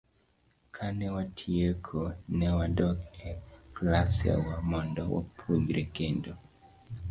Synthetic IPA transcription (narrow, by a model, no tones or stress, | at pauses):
kʰanɛwatʰiekʰonɛwadɔkɛklasia̰wamɔndɔwo̰pʰuɡɾekendo